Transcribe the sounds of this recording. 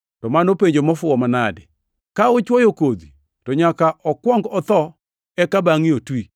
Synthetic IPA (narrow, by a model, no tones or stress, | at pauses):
tɔmanopeɲd͡ʒomɔfʊɔmanadɪ | kaʊt͡ʃwɔjokod̪i | tɔɲakaʔɔkwɔŋɡɔt̪ɔ | ɛkabaŋiotwi